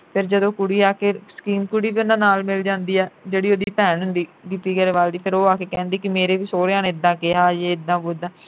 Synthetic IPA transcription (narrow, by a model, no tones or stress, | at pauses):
pʰɪɾd͡ʒəd̪õːkʊɽiːaːkesə̥kiːnkʊɽiːʋiːʊnãːnaːlmɪld͡ʒãːnd̪iːɛːd͡ʒeːɽiːoːd̪iːpɛːnɦʊnd̪iːɡɪpiːɡəɾeːʋaːld̪iːpʰɪɾoːaːkeːkɛ̃ːnd̪iːkɪmeːɾeːʋiːsoːɾãːnːɪd̪ːãːkɪɦaːjeːɪd̪ãːboːɪd̪ãː